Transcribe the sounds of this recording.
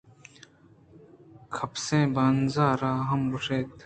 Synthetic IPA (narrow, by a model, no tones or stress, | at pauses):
kʰɐpsẽːbaːnzaːɾaːɦɐmbuʂeːt̪